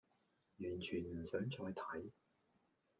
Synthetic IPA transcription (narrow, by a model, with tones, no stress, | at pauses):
jyː˨˩nt͡ʃʰyː˨˩nm̩˨˩sœː˨˥ŋt͡ʃɔː˧jt̪ʰɐ˨˥j